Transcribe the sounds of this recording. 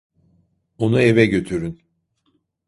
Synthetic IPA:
onue̞vɛɟø̞t̪ʰyɾyn

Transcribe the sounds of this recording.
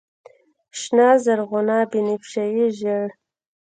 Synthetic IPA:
ʃnɑːzaɾɣʊnɑːbinipʃajiʒəɽ

